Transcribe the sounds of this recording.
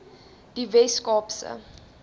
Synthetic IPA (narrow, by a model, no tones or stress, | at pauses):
d̥ivɛskɔːpsə̰